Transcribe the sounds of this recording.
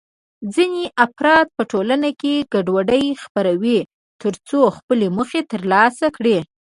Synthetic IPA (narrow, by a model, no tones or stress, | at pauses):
d͡zineʔafɾɑt̪̚pəʈolanakeɡaɖwaɖəjxpaɾawi | t̪əɾt͡soxpəleməxet̪əɾlɑsakɽe